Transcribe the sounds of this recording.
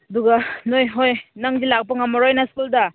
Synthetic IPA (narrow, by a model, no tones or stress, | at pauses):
ɐduɡanojɦojnaŋzilak̚paŋamaɾojnaskulda